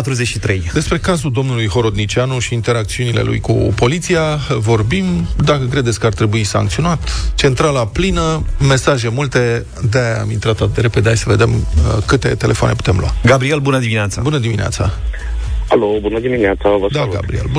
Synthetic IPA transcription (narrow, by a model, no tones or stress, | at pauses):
at̪ɾuzet͡ʃʃit̪ɾejd̪e̞spɾe̞kazuld̪o̞mnulujɦo̞ɾo̞d̪nit͡ʃanuʃiːnt̪e̞ɾak̚t̪siunile̞̰lʔṵjkṵpo̞lit̪sijavo̞rbimd̪akəkɾed̪etsʲkəart̪ɾe̞buisa̰ŋkt̪sio̞nat̪t͡ʃe̞nt̪ɾalaplinəme̞saʒe̞mult̪e̞ | d̪ea̰mint̪ɾat̪at̪̚d̪eɾe̞pe̞d̪eajsəve̞d̪e̞məkɨt̪e̞̰t̪e̞lʔe̞foa̰ne̞pu̥t̪e̞mlwa̰ɡabɾielbunəd̪imineat̪sabunəd̪iminea̰t̪sa | alobunəd̪imineat̪savəsd̪aaluɡa̰bɾiḛlbu